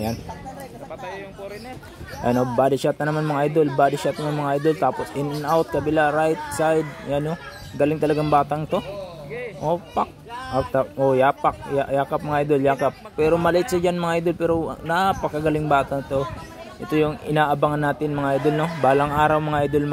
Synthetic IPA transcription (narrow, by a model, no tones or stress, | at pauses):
jan | ʔa̰jnobaːdɪʃat̪nɐnɐmanmɐŋʔajd̪o̞lbaːd̪ɪʃat̪̚nɐmanmɐŋaʔajd̪o̞lt̪aːpo̞sʔɪnɐnawt̪̚kɐbɪlaɾajt̪̚sajd̪̚jano | ɡɐlɪŋt̪ɐlɐɡaŋbaːt̪aŋɪt̪o̞ | ʔopak̚ʔot̪aʔojaːpak̚jajaːkap̚mɐŋaʔajd̪oljaːkap̚ːɛːɾo̞mɐlɐʔɪt̪sad͡ʒanmɐŋaʔajd̪o̞lpɛːɾo̞napɐkɐɡɐlɪŋbaːt̪ɐŋɪt̪o̞ | ʔɛt̪o̞jʊŋɪnaːʔɐbaŋɐnːaːt̪ɪnmɐŋaʔajd̪olnobaːlɐŋʔaːɾɐwmɐŋaʔajd̪olm